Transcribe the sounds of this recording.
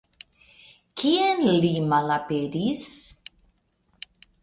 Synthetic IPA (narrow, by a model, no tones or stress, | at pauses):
kʰiɛnliːmalapeɾis